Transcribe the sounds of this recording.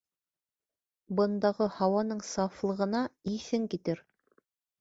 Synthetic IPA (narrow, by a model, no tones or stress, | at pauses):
bɤ̆nd̪ɑʁɤhɑwɑnɤɴsɑflˠɤ̆ʁɤ̆nɑiθɘŋkit̪ɘɾ